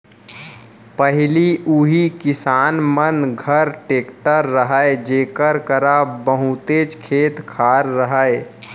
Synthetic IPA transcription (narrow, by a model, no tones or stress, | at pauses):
pəɦɪliʔuɦikɪsaːnmənɡʱəɾʈeːkʈəɾːəɦəed͡ʒeːkəɾkəɾabəɦut̪et͡ʃkʰeːt̪kʰaːɾːəɦəe